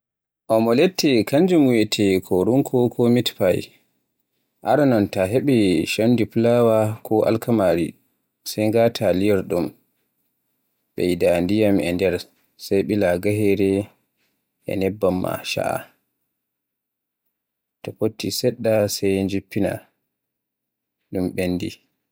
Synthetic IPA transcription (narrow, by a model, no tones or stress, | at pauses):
ʔɔmɔletʰːɛkaɲd͡ʒumwɛtʰɛkʰɔɾuŋkʰɔkʰɔmitpaj | ʔa̰ɾanɔntaɦeɓɛʃandiplawakʰɔʔa̰lkamaɾḭ | sajŋɡatʰalijɛɾɗum | ɓɛjdandijamʔɛ̰ndɛɾ | sajɓilaɡaɦɛɾɛ | ʔɛ̰nɛbːamːa̰ʃa̰ʔa̰ | tɔpotːisɛɗːasajɲd͡ʒipːina̰ | ɗumɓenːdḭ